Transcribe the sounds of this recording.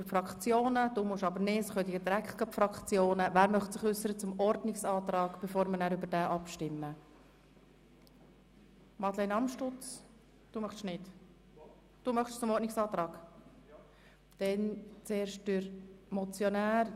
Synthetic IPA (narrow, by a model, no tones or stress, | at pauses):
dɾfɾɑkχt͡sjoːnəd̥uːmʊʃɑbəɾnɪsχœd̪iɡəd̪iɾækχt̚ɡ̥ɑpfɾɑkχt͡sjoːnəvæːɾmœχtsɪχʏsːəɾət͡sʊmɔɾdnɪksɑːt̪ɾɑːɡ̥b̥efoːɾmənæːɾybəɾd̥æːʔɑpʃtɪmːə | mɑt̪lɛɪnɑmʃtʊt͡s | d̥uːmœχʃnɪt | d̥uːmœχʃt͡sʊmɔɾtnɪksɑːt̪ɾɑːɡ | d̥ɛnt͡seːɾʃt̚d̥yɾmɔt͡sjɔnæːɾ